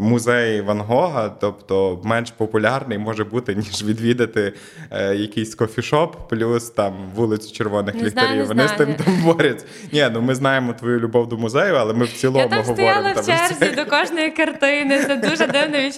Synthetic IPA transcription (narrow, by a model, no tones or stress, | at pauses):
mʊzɛjʋɐnɦɔɦɐt̪ɔpt̪ɔmɛnʃpɔpʊlʲɑrnɪjmɔʒɛbut̪ɪnʲiʒʋʲid̪ʋʲid̪ɐt̪ɪ | jɐkɪjsʲkɔfʲiʃɔpːlʲust̪ɑmʋulˠɪt͡sʲʊ̥t͡ʃerʋɔnɪxlʲik̪ɐɾʲiwʋɔnɪst̪ɪmt̪ambɔɾʲɐt͡sʲɐnʲɛnumɪznɑjemɔt̪ʋɔjulʲʊbɔwd̪ʊmʊzɛjʊɐlˠɛmɪwt͡sʲilˠmʊɦsɔʋt̪ɔjɾɑɪmlˠɐmɛrzʲid̪ɔkɔʒnɔjikɐrt̪ɪnɪsɛd̪uʒɛd̪ɪwnɛʋʲi